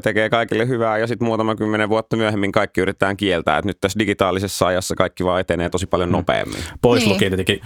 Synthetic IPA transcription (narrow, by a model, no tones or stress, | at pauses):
t̪ekeːkɑikilːehyʋæːjɑsit̪muːt̪ɑmɑkymːeneʋʋuot̪ːɑmyæhemːiŋkɑikːiyɾit̪et̪æːŋkielt̪æ̰ːḛt̪nyt̪t̪ːæsdiɡit̪ɑːlisesːɑɑjɑsːɑkɑikːiʋɑːet̪eneːt̪osipɑljonopḛːmːḭnpoislukiːnt̪iet̪eki